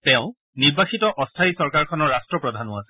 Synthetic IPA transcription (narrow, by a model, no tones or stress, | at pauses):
tɛʊ̃ | niɹbaxitɔʔɔstʰaisɔɹkaɹkʰɔnɔɹɹastɹɔpɹɔdʱanʊasɛ̥